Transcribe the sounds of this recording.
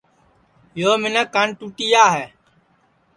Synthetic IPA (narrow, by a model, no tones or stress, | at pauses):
joːmɪnəkːanʈuːʈiːjaːɦɛː